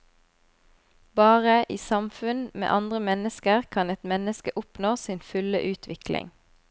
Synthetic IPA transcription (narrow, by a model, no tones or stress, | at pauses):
bɑːʁəʔiːsɑmfʉnmḛːʔɑnd̪ʁəmɛnəskəʁkʰɑnɛt̪mɛnəskəʔʊpnoːsiːnfʉləʔʉːt̪ʰʋɪklɪ̰ŋ